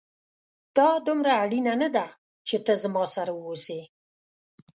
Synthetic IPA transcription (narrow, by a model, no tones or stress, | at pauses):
d̪̥ɑd̪ʊmɾaːɽinanad̪a | t͡ʃet̪əzmɑsaɾawose